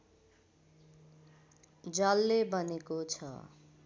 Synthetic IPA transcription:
d͡zʌlːebʌnekot͡sʰʌ̰

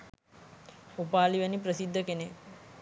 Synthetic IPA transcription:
upaːliʋənipɾəsid̪ʱːəkene

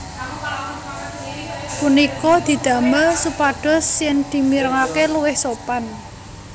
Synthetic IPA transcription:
punikɔd̪̥i̤d̪̥ä̤mərsupaɖ̥ɔ̤sjɪnd̪̥i̤miɾəŋakeluwɪhsopan

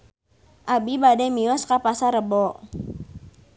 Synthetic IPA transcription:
ʔabibadɛmiɔskapasaɾəbɔ

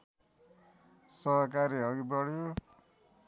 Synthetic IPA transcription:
sʌɦkaɾiʌɡibɔɽjo

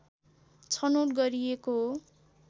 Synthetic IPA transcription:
t͡sʰʌnoʈɡʌɾieko

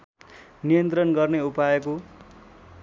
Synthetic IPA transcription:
nijʌnt̪rʌnɡʌrneupajʌko

